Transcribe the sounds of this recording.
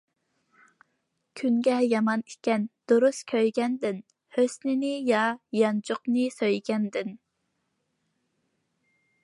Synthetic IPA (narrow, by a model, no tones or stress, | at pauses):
kʲʰyŋɡʲɛjɑmɑnikʲɛnd̪̥oɾuskʲʰøjɡʲɛnd̪ɪn | høsnɪnɪjɑjɑnt͡ʃʰoqnɨsøjɡʲɛnd̪ɪn